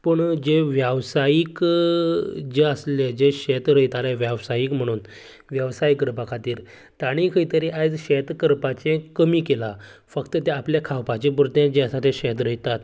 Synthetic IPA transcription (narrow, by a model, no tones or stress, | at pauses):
pəɳd͡ʑeʋjəʋsajik | d͡zeəsled͡ʑeɕet̪ɾəjt̪aleʋjaʋsajikm̤əɽ̃uːn | ʋjəʋsajikːəɾpakʰat̪iːɾ | t̪aɽ̃ikʰəjt̪əɾiʔad͡zɕet̪kəɾpat͡ɕẽkəmiːkela | fəkt̪ət̪ɛapljakʰawpat͡ɕepuɾt̪ẽd͡ʑẽəsat̪ʰẽɕɛt̪ɾəjt̪at̪